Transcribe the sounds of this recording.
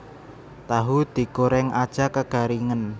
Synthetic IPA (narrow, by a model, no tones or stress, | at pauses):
t̪aɦud̪̥i̤koɾɛŋad̥ʒ̥akəɡ̥a̤ɾiŋən